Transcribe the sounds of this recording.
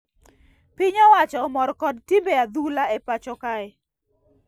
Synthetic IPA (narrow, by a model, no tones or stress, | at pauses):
pɪɲɔwat͡ʃɔmɔɾkɔdtimbead̪ulaɛpat͡ʃɔkaɛ